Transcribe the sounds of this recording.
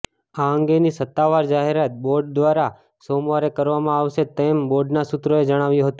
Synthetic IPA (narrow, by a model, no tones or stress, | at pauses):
aəŋɡenisət̪ːaʋaɾd͡ʒaɦeɾat̪̚boɾɖ̚d̪ʋaɾa | somʋaɾekəɾʋamãaʋʃet̪emboɾɖnasut̪ɾoed͡ʒəɽ̃aʋjũɦət̪ũ